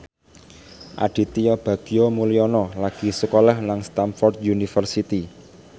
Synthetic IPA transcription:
ʔa̰ɖ̥i̤t̪iɔb̥a̤ɡ̥i̤omuliɔnɔlaɡ̥i̤səkolahnaŋst̪amfɔrd̪junifərsit̪i

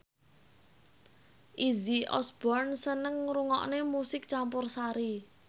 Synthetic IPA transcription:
ʔiziʔɔ̰sb̥ɔrnsənəŋɾuŋɔ̰ʔnemusɪk̚t͡ʃampʊrsaɾi

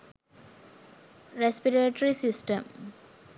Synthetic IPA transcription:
ɾespiɾeʈəɾisisʈəm

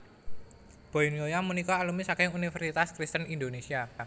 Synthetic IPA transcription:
b̥oiniojamunikɔalumisakɪŋunifərsit̪askɾist̪ənind̪onesia

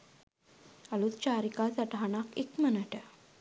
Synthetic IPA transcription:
alut̪t͡ɕaɾikat͡saʈaɳakekmənaʈa

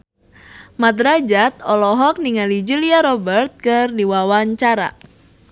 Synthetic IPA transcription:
mat̪ɾad͡ʒat̪̚ɔlɔɦɔk̚niŋalid͡ʒuliaɾɔbərt̪̚kɨrdiwawaɲt͡ʃaɾa̰

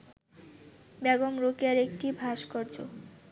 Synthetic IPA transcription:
bɛɡomɾokeaɾek̚ʈibʱaʃkɔɾd͡ʑʰo̰

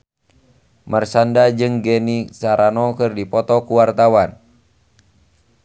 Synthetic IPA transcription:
mərsandad͡ʒɨŋɡɛnisaɾanɔkɨrdipɔt̪ɔkuwart̪awan

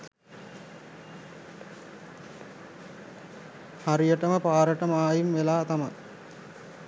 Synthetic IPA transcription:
haɾijəʈəməpaːɾəʈəmaːjimʋelaːt̪ama

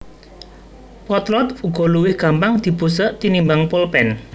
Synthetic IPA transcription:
pɔt̪lɔt̪uɡ̥ɔ̤luwɪhɡ̥a̤mpaŋd̪̥i̤pusəʔt̪inimbaŋpolpɛn

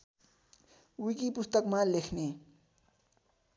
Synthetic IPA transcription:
wikipʊst̪əkmãlekʰne

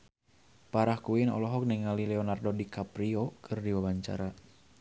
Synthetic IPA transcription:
paɾahkuinɔ̰lɔɦɔk̚niŋalilɛɔnardodikapɾiokʰɨrdiwawaɲt͡ʃa̰ɾa

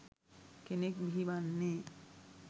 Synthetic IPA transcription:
kenekbʱibanːe

